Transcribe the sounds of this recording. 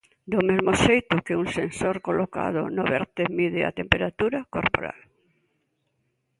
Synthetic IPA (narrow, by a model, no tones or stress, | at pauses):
d̪omezmoʃejt̪ʊkɪuŋsensoɾkoloka̰ð̞ʊnoβɛɾt̪emiðɪa̰t̪empeɾat̪uɾakoɾpo̰ɾa̰l